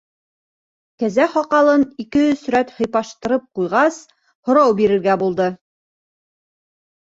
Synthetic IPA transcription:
kæzæχɒqɑlˠɤnikɘɵsɵ̆ɾæt̪hɤ̆jpɑʃt̪ɤ̆ɾɤp̚qujʁɑs | hŏɾɑwbiɾɘ̆ɾɡæbulˠd̪ɤ

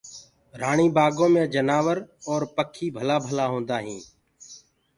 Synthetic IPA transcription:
ɾaːɳĩːbaːɡõːmẽːd͡ʒənaːʋəɾɔːɾpəkʰːiːbʱəlaːbʱəlaːɦõːnd̪aːɦĩː

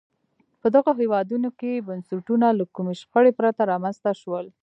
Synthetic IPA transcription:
pəd̪aɣoɦewɑd̪unokebansuʈunalakumeʃpəɽepɾat̪aɾɑmanzt̪aʃwəl

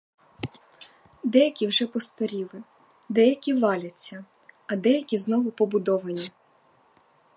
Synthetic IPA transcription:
d̪ɛjɐkʲiwʒɛpɔst̪ɔɾʲilˠɪ | d̪ɛjɐkʲiʋɑlʲɐt͡sʲːɐ | ɐd̪ɛjɐkʲiznɔʋʊpɔbʊd̪ɔʋɐnʲi

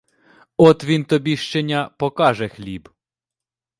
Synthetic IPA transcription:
ɔt̪ʋʲint̪ɔbʲiʃt͡ʃenʲɐpɔkɑʒɛxlʲib

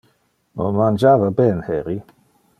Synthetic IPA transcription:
mo̰mand͡ʒaːvabɛnhɛɾi

